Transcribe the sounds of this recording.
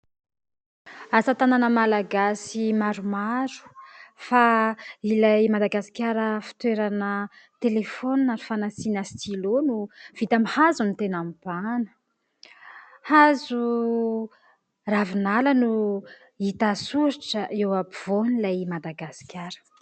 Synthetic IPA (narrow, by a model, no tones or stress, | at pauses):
asat̪ananəmalaɡasimaɾumaɾu̥failajmad̪aɡasi̥kʲaɾəfi̥t̪weɾanə | t̪elefoninaɾifanasinəst̪ilonuv̥it̪amhazunit̪enampanə̥ | hazu | ravinalənu | it̪asuɾiʈ͡ʂəewapiv̥onilajmad̪aɡasi̥kʲjaɾə̥